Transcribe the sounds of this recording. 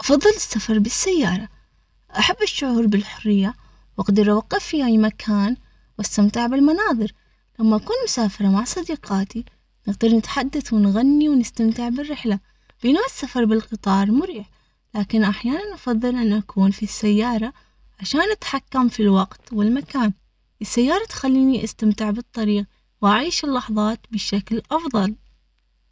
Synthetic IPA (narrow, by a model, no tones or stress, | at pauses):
ʔɑfɑðˤːɨlɪsːafɑɾˤbɪsːajːɑːɾˤɑ | ʔaħabːɪʃːʊʕuːɾbɪlħʊrːɪjːa | wɪɡd̪ɪɾʔawɑqːɑfːihaːjmakʰaːn | wast̪amt̪ɪʕbɪlmanɑːðˤɨɾ | lamːaʔakuːnmʊsaːfɑɾˤɑmaʕsˤɑd̪iːqɑːt̪i | nɪɣd̪ɑɾˤnɪt̪ħad̪ːaθwɪnɣanːiwnɪst̪amt̪ɪʕbɪrːɪħla | b̥ʔɪnuʔɪsːafɑɾˤbɪlqɨt̪ˤɑːɾˤmʊɾiːħ | laːkɪnʔaħjaːnanʔɑfɑðˤːɨlʔanːʔakuːnfisːajːɑːɾˤɑ | ʕaʃaːnʔat̪ħakːamfilwɑqt̪wɪlmakaːn | ʔɪsːajːɑːɾˤɑt̪xalːiːniʔast̪amt̪ɪʕbɨt̪ˤːɑɾiːq | wʔaʕiːʃɪlːɑħðˤɑːt̪bɪʃaklʔɑfðˤɑl